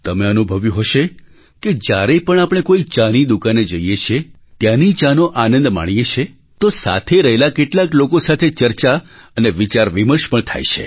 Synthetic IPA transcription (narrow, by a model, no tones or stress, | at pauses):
t̪əmeənubʱəʋjũɦəʃe | ked͡ʒjaɾepəɳ̃apəɽ̃ekoit͡ʃanid̪ukaned͡ʒəijet͡ʃʰe | t̪janit͡ʃanoʔanə̃nd̪ma̰ɳ̃ijet͡ʃʰe | t̪osa̰t̪ʰeɾəɦelakeʈlaklokosat̪ʰet͡ʃəɾt͡ʃaəneʋit͡ʃaɾʋiməɾʃpəɳt̪ʰa̰jʃʰḛ